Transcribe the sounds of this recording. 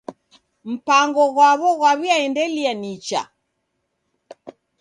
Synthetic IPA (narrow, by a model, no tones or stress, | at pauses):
m̩paŋɡɔɣwaβɔɣwaβiaɛndɛlianit͡ʃa̰